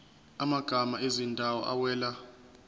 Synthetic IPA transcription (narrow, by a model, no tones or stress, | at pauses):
amaɡ̥ʱamaezindʱawɔ̰ʔa̰wɛːla